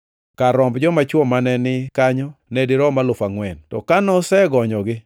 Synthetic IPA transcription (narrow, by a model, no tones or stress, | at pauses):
kaɾɔmbd͡ʒɔmat͡ʃwɔmanɛnɪkaɲɔnɛdɪɾɔmalʊfaŋwɛntɔ̰kanɔsɛɡɔɲɔɡɪ